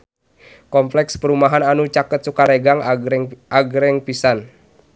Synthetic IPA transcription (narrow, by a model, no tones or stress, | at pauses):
kɔmplɛkspəɾumaɦananut͡ʃakət̪̚sukaɾɛɡaŋ | aɡɾɛŋpisan